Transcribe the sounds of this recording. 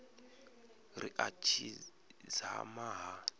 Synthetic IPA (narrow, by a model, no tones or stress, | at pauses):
ɾḭʔat͡ʃʰi | za̰maɦa